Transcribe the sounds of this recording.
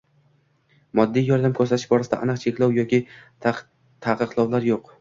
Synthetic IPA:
mɒd̪ːijjɒɾd̪amkʰɵɾsat̪ʰɪʃbɒɾasɪd̪a̰anɨqt͡ʃʰekʲlɒwjɒkʲʰɪ | t̪ʰaqɨqlˠawlaɾjoq

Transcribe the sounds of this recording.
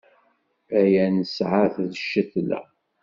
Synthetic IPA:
æjænəsʕaθðəʃːəθlæ̰

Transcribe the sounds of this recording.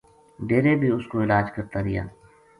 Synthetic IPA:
ɖeːɾebʱiʊskoɪlaːd͡ʒkəɾt̪aɾɪja̰ː

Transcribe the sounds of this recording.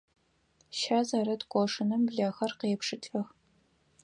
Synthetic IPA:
ʃaːzɐɾɐtkʷʼɔʂɨnɨmbɮaːxɐrqeːpʂɨtʰʼɐx

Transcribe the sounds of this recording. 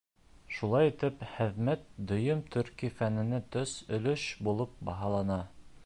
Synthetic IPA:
ʃulˠɑjit̪ɘpχɘ̆ðmæt̪̚d̪ɵ̆jɤmt̪ʰɵ̆ɾkifænɘ̆næt̪ɵsɵ̆lɵʃbulˠɤp̚bɑɦɑlˠɑnɑ

